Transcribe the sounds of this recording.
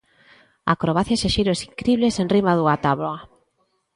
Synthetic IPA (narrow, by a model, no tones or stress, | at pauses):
a̰kɾoβaθjaʃeʃejɾoesiŋkɾiβlesenrimaðuat̪aβloa